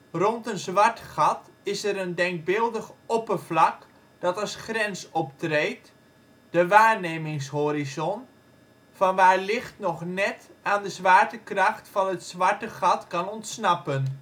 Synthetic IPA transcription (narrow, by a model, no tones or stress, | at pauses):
rɔntənzʋaɹtχɑtɪsəɾəndɛŋk̚bɪlˠdəxopərvlɑk | d̥ɑtɑsχrɛnsɔp̚treːt | d̥əʋaːɹneːmɪŋshoɾizɔn | fɑnʋaːɹlɪxtnɔχnɛtaːndəzʋaːɹtəkrɑxtfɑnətsʋaɹtəχɑtkɑnɔntsnɑpən